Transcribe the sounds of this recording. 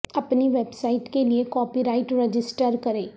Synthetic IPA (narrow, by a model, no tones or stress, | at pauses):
əpniʋɛbsaːiʈkeliekɔːpiːɾaːɪʈɾɛd͡ʒɪsʈəɾkəɾeː